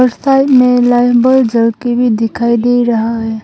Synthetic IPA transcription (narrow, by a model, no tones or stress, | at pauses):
əɾsaːɪmẽlaːɪbəld͡ʒəlkibʱid̪ɪkʰaːid̪eːiɾɐɦaɦɛː